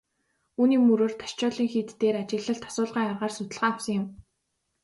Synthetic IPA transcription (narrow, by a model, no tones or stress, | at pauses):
uːniːmuɾoːrt̪ʰḁʃt͡ɕʊːɮiːŋxiːt̪ːeːɾat͡ɕɪ̆ɮə̆ɬt̪ʰɔ̥sʊːɮʁaːŋarʁaːrsʊt̪ɘ̆ɮʁaːawsə̆ŋjɪ̆m